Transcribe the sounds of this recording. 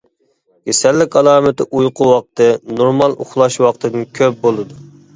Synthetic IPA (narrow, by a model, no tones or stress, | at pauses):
jesɛlːɪkʲɑlˠɑːmɨt̪ɨʔujqʰʊwɑq̚t̪ʰɨnoɾmɑlˠʔṵχlˠɑʃwɑqt̪ʰɨd̪ɨnkʲʰøp̚bolˠɨd̪u